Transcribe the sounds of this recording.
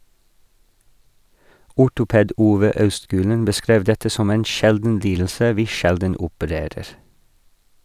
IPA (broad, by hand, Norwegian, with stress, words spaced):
ˈʊʈʊˌpeːd ˈuːʋə ˈɑʉstˌɡʉːlən bəˈskɾeːʋ ˈdɛtə ˈsɔm ˈeːn ˈʃɛldn̩ ˈliːdl̩sə ˈʋiː ˈʃɛldən ʊpəˈɾeːɾəɾ